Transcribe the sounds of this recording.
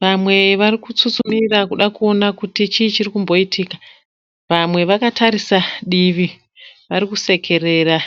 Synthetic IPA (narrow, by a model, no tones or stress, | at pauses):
ʋamwe̞ʋarikut͡sut͡sumirakuɗakuo̞nakutit͡ʃiːt͡ʃirikumbo̞itiːka | ʋamwe̞ʋakataɾisaɗiʋi | ʋaɾikuse̞kʰe̞re̞ːra